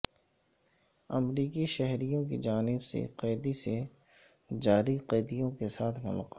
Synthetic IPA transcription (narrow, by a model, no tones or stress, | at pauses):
ɐ̰mɾiːkiʃɛɦɾijõk̬ḭd͡ʒaːnɪbsḛqeːd̪ise | d͡ʒaːɾiqeːd̪ijõkesaːt̪ʰmʊ̰lqː